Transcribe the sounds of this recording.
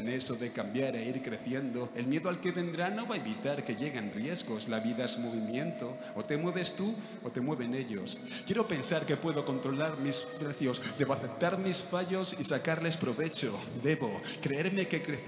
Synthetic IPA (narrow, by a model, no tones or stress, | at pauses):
ne̞so̞ðe̞kambjaɾeiɾkɾe̞θje̞nd̪o̞e̞lmje̞ðoalke̞βe̞nd̪ɾano̞βaeβit̪aɾke̞ʝe̞ɣe̞nrje̞zɣo̞slaβiðazmo̞β̞imjẽ̞nt̪o̞ːt̪e̞mwe̞β̞e̞st̪u | ot̪e̞mwe̞βene̞ʎo̞̰s | kje̞ɾo̞pe̞nsaɾke̞pwe̞ðo̞ko̞nt̪ɾo̞laɾmispɾeθjo̞sd̪e̞βo̞aθe̞p̚t̪aɾmisfaʝo̞sisakaɾle̞spɾo̞βe̞t͡ʃo̞ | d̪e̞βo̞kɾe̞eɾme̞ke̞kɾe̞θ